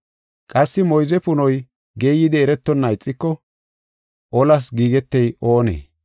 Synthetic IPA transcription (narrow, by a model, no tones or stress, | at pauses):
kʼɐsːɪmɔjzɛpʊnɔj | ɡeːjːɪd̪ɛːɾɛt̪ːɔnːɐjɪt͡sʼːɪkːɔ | ʔɔlɐs̬ɡiːɡɛt̪ːɛjo̞ːnḛː